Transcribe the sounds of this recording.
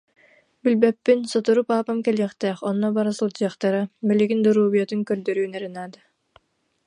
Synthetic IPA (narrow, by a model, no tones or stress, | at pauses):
bilbɛpːinsɔt̪uɾupaːpamkɛlijɛχt̪ɛːχɔnːɔbaɾasɯlˠd͡ʒɯɐχt̪aɾabɛliɡind̪uɾuːbiɛt̪yŋkœɾd̪œɾyːnɛɾɯnaːd̪a